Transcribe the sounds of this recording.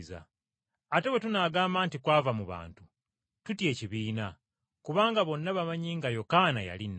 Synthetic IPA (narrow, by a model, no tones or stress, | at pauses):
za̰ | ate̞we̞tunaːɡaːmbaːntikwaːvamuβa̰ːntu | tutje̞ːciβiːna | kuβaːŋɡaβo̞nːaβamaɲiːŋɡajo̞kanaja̰linːa